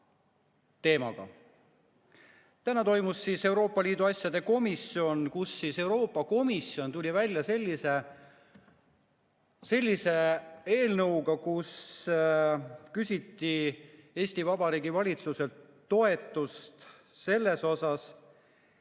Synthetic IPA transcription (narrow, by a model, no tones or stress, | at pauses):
t̪e̞ːmɑ̰ɡ̥ɑ̰ | t̪ænɑt̪o̞jmusːiːse̞wɾo̞ːpˑːɑlʲiːd̪uɑsʲjɑd̪e̞ko̞misio̞nkusːiːse̞wɾo̞ːpːˑɑko̞misjo̞nt̪ulʲivælʲjɑse̞lʲːise | se̞lʲːise̞e̞ːlnɤwɡɑkus | kysʲit̪ːie̞ːsʲt̪ivɑbɑɾiːɡivɑlʲit̪suse̞lt̪ːo̞e̞t̪ˑːust̪se̞lːe̞so̞sɑs